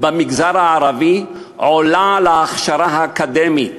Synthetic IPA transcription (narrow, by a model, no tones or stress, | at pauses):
bamiɡzaʁaʕaʁavi | ʕolalaːχʃaɾaɦaːkad̪emi